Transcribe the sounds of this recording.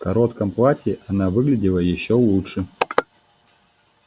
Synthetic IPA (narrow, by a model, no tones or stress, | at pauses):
fkɐɾot̪kɐmplˠatʲɪʔɐnavɨɡlʲɪdʲɪlˠəjɪɕːolˠuʂɨ